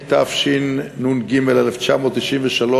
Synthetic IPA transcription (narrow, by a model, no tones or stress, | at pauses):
t̪afʃinːunɡimeleleft͡ʃamo̞ːt̪ːiʃinveʃalo